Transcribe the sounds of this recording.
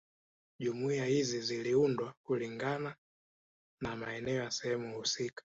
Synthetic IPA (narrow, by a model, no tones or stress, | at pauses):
ʄumuiahiziziliundwakuliŋɡana | namaɛnɛɔjasɛhɛmuhusikḁ